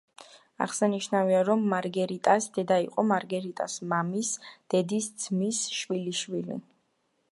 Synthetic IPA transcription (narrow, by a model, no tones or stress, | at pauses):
a̰ʁsaniʃnaviaɾɔmːaɾɡɛɾit̪ʼasd̪̥ɛd̪aiqʼɔmaɾɡɛɾit̪ʼasmamisd̪̥ɛd̪isd̪z̥misʃwiliʃwilḭ